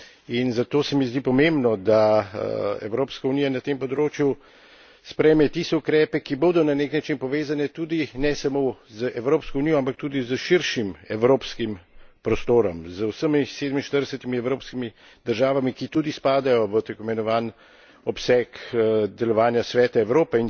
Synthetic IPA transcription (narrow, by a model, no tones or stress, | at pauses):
inzat̪oːsɛmizd̪ipɔmembnɔd̪a | ɛ̰wɾoːpskaunijanat̪empɔd̪ɾoːt͡ʃju | spɾɛjmɛt̪ist̪ɛukɾɛːpɛkiboːd̪ɔnaneknat͡ʃinpɔʋeːzanɛt̪uːd̪inɛsamozəʔɛwɾoːpskɔunijɔampakt̪uːd̪izəʃiɾʃimɛwɾoːpskimpɾɔst̪oːɾɔmzəwsəmiseːd̪əminʃt̪əɾd̪ɛsɛt̪imiɛwɾoːpskimi | d̪̥əɾʒaːʋamikit̪uːd̪ispaːd̪ajɔʋət̪ɛkɔimɛnɔʋaːn | ɔpsɛkd̪ɛlɔʋaːnjasʋɛːt̪aɛwɾoːpɛin